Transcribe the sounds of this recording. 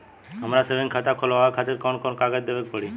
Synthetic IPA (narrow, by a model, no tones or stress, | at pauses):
amɾasebenkʰat̪akʰɔlaɡakʰat̪eɾkɔnkɔnkaɡad͡ʑd̪ebepɔɽi